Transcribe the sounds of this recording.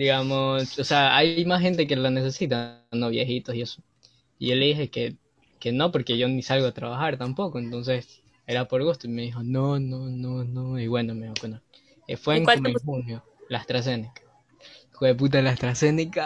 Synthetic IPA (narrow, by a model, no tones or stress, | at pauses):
d̪iɣamososeaajjmasxe̞nt̪e̞kelane̞se̞sit̪ano̞βjexit̪o̞sie̞so | ieleðixe̞ke | ke̞no̞po̞ɾke̞ʝo̞nisalɣoat̪ɾaβaxaɾt̪ampo̞ko̞ent̪o̞ns̬e̞s | e̞ɾapo̞ɾɣust̪oime̞ðixo̞no̞nononoiβwe̞nomekweno | efweŋkaomoexunjo | laest̪ɾas̬e̞nikḁ | xweðep̬ut̪̬alaest̪ɾase̞nika